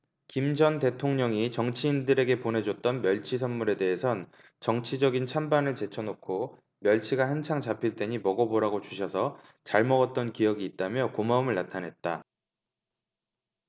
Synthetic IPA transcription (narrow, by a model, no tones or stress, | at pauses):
kimd͡ʑʌnte̞tʰoŋɲʌŋit͡ɕʌŋt͡ɕʰiːndɯɾe̞ɡe̞pone̞d͡ʑʌt͈̚ʌnmjʌɭt͡ɕʰis̬ʰʌnmuɾe̞de̞ɦːsʰʌn | t͡ɕʌŋt͡ɕʰid͡ʑʌɡint͡ɕʰambanɯɭt͡ɕe̞t͡ɕʰʌnokʰo | mjʌɭt͡ɕʰiɡahant͡ɕʰaŋt͡ɕapʰiɭt͈we̞ɲimʌɡʌboɾaɡot͡ɕuɕʰʌsʰʌ | t͡ɕaɭmʌɡʌt̚t͈ʌnkijʌɡiːt̚t͈amjʌkomaɯmɯɭnatʰanɦe̞t̚t͈a